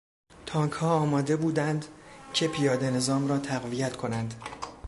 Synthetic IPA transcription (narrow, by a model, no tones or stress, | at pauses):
t̪ʰɒːŋkʰhɒːɒːmɒːd̪e̞buːd̪ænd̪cʰe̞pʰijɒːd̪e̞ne̞zɒːmrɒːt̪ʰæɣvijæt̪kʰo̞nænd̪